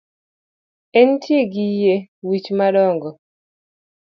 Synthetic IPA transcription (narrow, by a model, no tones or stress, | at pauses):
ɛntjeɡijewit͡ʃmadɔŋɡɔ